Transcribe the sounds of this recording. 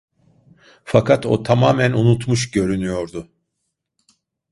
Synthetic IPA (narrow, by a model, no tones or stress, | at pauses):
fakʰat̪o̞̰t̪ʰamaːmænunut̪muʃɟø̞ɾynyjo̞ɾd̪ʊ